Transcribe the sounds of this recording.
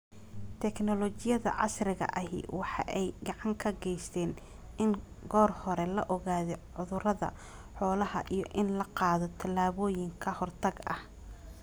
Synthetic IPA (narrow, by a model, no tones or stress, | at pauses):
t̪ʰɛknɔlɔt͡ʃɪjɐðɐ̰ʕɑsrɪɣɐ̰ʔɐɦḭwɑħɑ̰ʔɛjɡɑʕɑŋkʰɐɡɛjst̪ʰɛːn | ɪŋ | ɡɔːrhɔɾɛlɐʔɔɣaːðɔʕʊðʊɾɐðɐ̰ | ħɔːlɐhɐ̰ʔijɔʔɪnlɐqɑːðɔt̪ʰɐlːaːβɔːjɪŋkʰɐhɔrt̪ʰɐɡɐ̰h